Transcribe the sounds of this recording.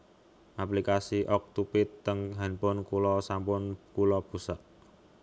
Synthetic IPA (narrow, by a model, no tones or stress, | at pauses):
ʔaplikasiʔɔk̚t̪upɪt̪ːəŋɦanpʊnkulɔsampʊnkulɔb̥ṳsɔʔ